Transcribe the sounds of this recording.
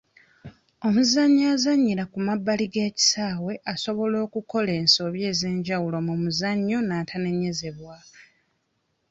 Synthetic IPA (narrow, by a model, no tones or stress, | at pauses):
o̞muzaɲːaːzaɲːilakumabːaliɡe̞ːci̥saːwe̞ʔaso̞βo̞lo̞ːkuko̞le̞ːnso̞βje̞ːze̞ːɲɟawulo̞mumuzaɲːo̞naːtʰane̞ɲe̞ze̞βwa